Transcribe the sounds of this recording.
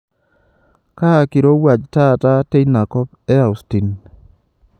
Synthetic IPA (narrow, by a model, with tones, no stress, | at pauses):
ka˦˨ki˨ɾo˦wa˨d͡ʒta˦˨ta˦te˦jna˨kɔ˦p̚ | ɛ˦a˨ʊ˨sti˨n